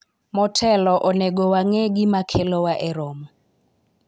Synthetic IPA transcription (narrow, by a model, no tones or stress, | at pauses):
mɔtʰɛlɔʔɔneɡɔwaŋɛɡɪmakʰelɔwaʔɛɾɔm